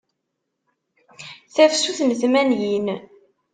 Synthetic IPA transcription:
θæfsuθnθmænjin

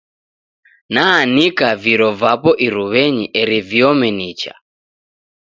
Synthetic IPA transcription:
naːnikaviɾɔvapɔʔiɾuβɛɲiʔɛɾivjɔmɛnit͡ʃa̰

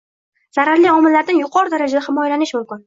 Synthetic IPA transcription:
z̥aɾaɾliɒmɪlːaɾd̪ɪnjʊqʰɒɾɪd̪aɾad͡ʒad̪ahɪmɒjalanɪʃmʊmkʲɪn

